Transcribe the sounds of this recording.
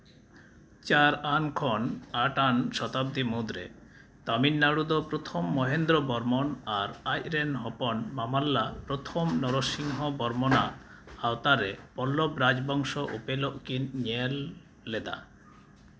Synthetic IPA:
t͡ɕaɾankʰɔnaʈanʃɔt̪ab̚d̪imud̪ɾḛ | t̪ɔminːaɽud̪opɾot̪ʰomːɔɦend̪ɾɔbɔɾmɔnaɾajɾenɦɔpɔnmamalːapɾot̪ʰomnɔɾoʃiŋɦobɔɾmona | awt̪aɾepɔlːobɾad͡ʑbɔŋʃoʔupeloʔkinɲelː | ed̪a̰

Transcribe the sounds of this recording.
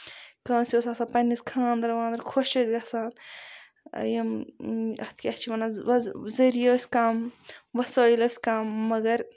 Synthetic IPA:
kãːnsʲoːsasaːpɐnːiskʰãːnd̪ɾʋãːnd̪ɾkʰoʃɐsɡɐsaːn̰ | jɐmɐ̰t̪ʰkʲɐht͡ʃʰimɐnazɐɾijoːsʲkaːmʋɐsoːilɐːsʲkaːmːɐɡɐɾ

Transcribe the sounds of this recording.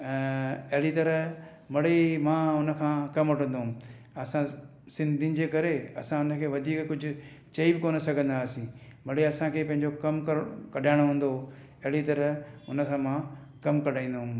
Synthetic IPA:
ɐɦɪɽit̪ɐɾə | mɐɽemãʊnə̆kʰãːkɐmoʈə̃nd̪oːm | ɐsã | sɪ̃nd̪ʱinɪ̆d͡ʑeːkɐɾeɐ̰sãʊnə̆kʰeːʋɐd̪ʱiːkkːʊd͡ʑʱʊ̆ | t͡ɕɐibɪkoːnosɐɡʱə̃nd̪aːsĩmɐɽeɐsãkʰeːpɐ̃ɦɪ̃ɲd͡ʑokɐmkɐɾkɐɖʱaːɪɽ̃ɦũːn̆d̪o | ɐɦɪɽit̪ɐɾəʊnə̆sãmã | kɐmkɐɖ̤ʱaːĩːn̆d̪oɦʊ̃m

